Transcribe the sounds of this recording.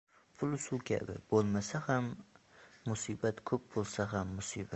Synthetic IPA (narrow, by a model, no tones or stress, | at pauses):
pʰʊlˠʊsʊkʲʰa̰bɪ̰bolˠmasahamː | ʊsibat̪kʰɵp̚bolˠsaɦamːʊsiba